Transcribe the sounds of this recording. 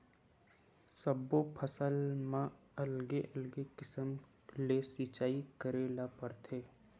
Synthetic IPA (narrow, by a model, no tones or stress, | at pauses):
səbːopʰəsəlmã | ɐlɡeʔɐlɡekɪsəm | lesit͡ʃaːikəɾeːlapəɾt̪ʰeː